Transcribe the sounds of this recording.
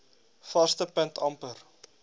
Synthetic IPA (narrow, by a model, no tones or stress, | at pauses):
fɐstəpəntʰɐmpər